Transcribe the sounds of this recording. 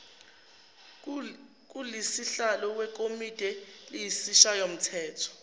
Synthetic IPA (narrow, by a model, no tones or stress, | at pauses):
k̬ʼulisiɬalɔwɛk̬ʼomitʼɛlijisiʃajom̩tʰɛːtʰɔ̥